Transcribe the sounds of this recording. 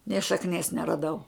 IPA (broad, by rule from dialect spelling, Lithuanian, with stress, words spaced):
nʲeː ʃɐkˈnʲiɛs nʲɛrɐˈdɐʊ